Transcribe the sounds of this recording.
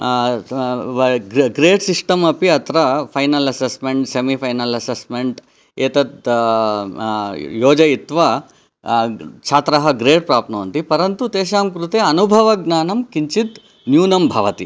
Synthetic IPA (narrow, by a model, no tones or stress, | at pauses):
ɡɡɾeːɖsiʂʈɐmɐpiɐt̪ʰɾɐpʰɐjnɐlɐsesmeɳʈsemipʰɐjnɐlɐsesmeɳʈ | eːt̪ɐt̪ | joːd͡ʒɐit̪ʋa | t͡ʃʰaːt̪ɾɐɦɐɡɾeːɖ̚pɾaːpnɐʋɐnt̪ipɐɾɐnt̪ut̪eːʃaːmkɾut̪eɐnubʱɐʋɐɡnaːnɐmkiɲt͡ʃit̪ | njuːnɐmbʱɐʋɐt̪i